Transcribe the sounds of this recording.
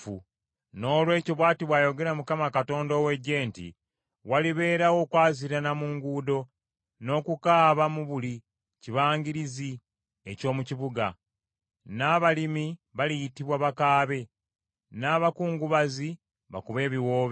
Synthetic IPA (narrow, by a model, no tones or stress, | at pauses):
u | no̞ːlwe̞ːciβwaːtiβwajo̞ɡe̞ɾamukamakato̞ːndo̞we̞ɟe̞ːntḭ | waliβe̞ːɾawo̞kwaːziɾanamuːŋɡuːdo̞ | no̞kukaːβamuβuli | ciβaːŋɡiɾizi | e̞co̞ːmuciβuɡa | naːβalimiβalijitiβwaβakaːβe̞ | naːβakuːŋɡuβazi | βa̰kuβe̞ːβiwoːβ